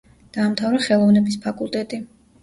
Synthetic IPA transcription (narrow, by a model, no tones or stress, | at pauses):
d̪̥aːmt̪ʰavɾaχɛlˠɔvnɛbispʰakʼulˠt̪ʼɛt̪ʼi